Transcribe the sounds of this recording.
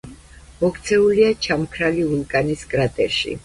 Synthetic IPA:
mɔkʰt̪sʰɛuliat͡ʃʰamkʰɾaliulˠkʼaniskʼɾat̪ʼɛɾʃḭ

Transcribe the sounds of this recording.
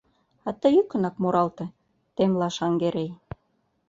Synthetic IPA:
ɑt̪əjykə̆nɑkmoɾɑlt̪ĕ | t̪emlɑʃɑŋɡeɾej

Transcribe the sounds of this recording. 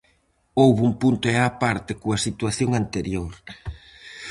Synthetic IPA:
owβumpunt̪oɛapaɾt̪ɪkoasit̪waθjoŋant̪eɾjoɾ

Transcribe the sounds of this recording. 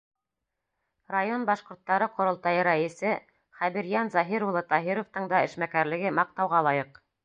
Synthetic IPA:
rajonbɑʃqŏɾt̪ːɑɾɤqŏɾŏlˠt̪ɑjɤɾæɘ̆sɘ | χæβiɾjænzɑɦiɾulˠɤt̪ɑɦiɾŏft̪ɤɴd̪ɑɘ̆ʃmækæɾlɘ̆ɡɘmɑq̚t̪ɑwʁɑlˠɑjɤq

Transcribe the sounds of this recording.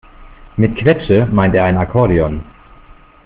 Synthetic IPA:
mɪtkʰv̥ɛt͡səmaɪnteːɐaɪnakʰɔɐdiɔn

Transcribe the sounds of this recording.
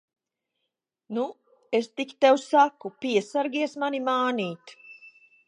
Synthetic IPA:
nu | est̪ikʲt̪ɛwsakupʲiɛsaɾɡʲiɛsmanimaːniːt̪

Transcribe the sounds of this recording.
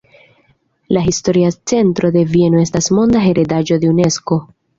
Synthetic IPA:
laɦisto̞ɾiat͡se̞ntɾo̞d̪e̞vie̞no̞e̞stasmo̞nd̪aɦe̞ɾʔe̞daʒo̞d̪e̞une̞sko̞

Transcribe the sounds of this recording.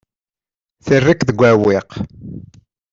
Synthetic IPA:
θirːikðəɡʷːæwɪq

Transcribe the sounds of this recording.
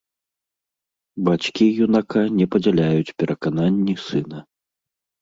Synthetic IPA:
bat͡ɕkʲijunakanʲɛpɐd͡zʲɛlʲajut͡sʲpʲɛɾʔɐkananʲːisɨnɐ

